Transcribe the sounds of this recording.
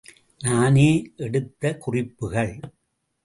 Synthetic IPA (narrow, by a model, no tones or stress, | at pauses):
naːneːʔɛɽɯt̪ːɐkʊrɪpːɯɣɐɭ